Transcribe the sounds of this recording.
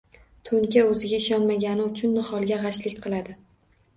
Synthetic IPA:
t̪ʰʊŋkʲaɵzɪɡʲaɪʃɒnmaɡʲanɪʊt͡ʃʰʊnːɪχɒlˠɡʲaʁɑʃlɪkʲqʰɨlˠad̪ɪ

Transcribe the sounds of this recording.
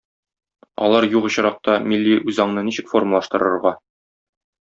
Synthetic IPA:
ɒ̰lˠɑɾjuqɤ̆ɕɤ̆ɾɑq̚t̪ɑmilʲːiʔʉzɑɴnɤniɕɘ̆kforməlˠɑʃt̪ɤ̆ɾɤ̆ɾʁɑ

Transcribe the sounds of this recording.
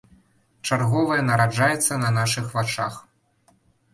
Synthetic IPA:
t͡ʂarɣɔvɐjɐnɐɾad͡ʐajɛt̪sːɐnɐnaʂɨxvat͡ʂax

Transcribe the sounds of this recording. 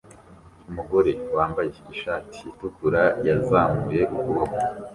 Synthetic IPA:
umuɡo̞ɾe̞waːmbaje̞iʃaːti̥ːtukuɾajazamuɾe̞ʔukuβoko

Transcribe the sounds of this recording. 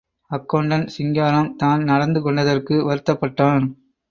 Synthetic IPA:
ɐkːɐɳɖɐnsɪŋɡaːɾɐmt̪aːnnɐɽɐnd̪ɯkɔɳɖɐðɐrkɯʋɐɾɯt̪ːɐpːɐʈːaːn

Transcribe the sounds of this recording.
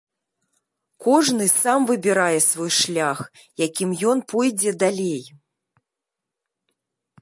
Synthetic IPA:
kɔʐnɨsamvɨbʲiɾajɛsvɔjʂlʲax | jakʲimjɔnpɔjd͡zʲɛd̪alʲej

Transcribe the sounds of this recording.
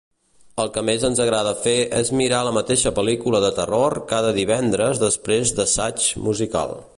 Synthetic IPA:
əlˠkəmezənzəɣɾaðəfeʔɛzmiɾaləmət̪eʃəpəlikuləðət̪ərorkaðəðiβ̞ɛnd̪ɾəzðəspɾezðəsat͡ʃmuzika̰lˠ

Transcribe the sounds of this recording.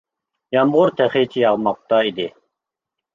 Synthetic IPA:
jɑmʁʊɾt̪ʰæχit͡ʃʰijɑʁmɑq̚t̪ɑid̪i

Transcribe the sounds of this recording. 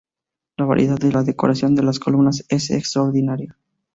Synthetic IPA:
laβa̰ɾjieðaððelaðe̞ko̞ɾasjo̞nd̪e̞laskolumnase̞sḛkst̪ɾaoɾðinaɾja

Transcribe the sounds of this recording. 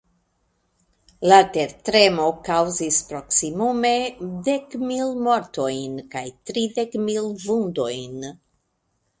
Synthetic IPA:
lateɾtɾe̞mo̞kawzispɾo̞ksimume̞de̞kmilmo̞ɾto̞jnkajtɾide̞kmilvundo̞jn

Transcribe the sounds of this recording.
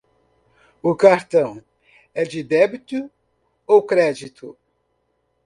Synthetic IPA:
ʊkaɾt̪ɐ̃w̃ | ɛd͡ʒɪd̪ɛbit̪u | owkɾɛd͡ʒit̪ʰʊ

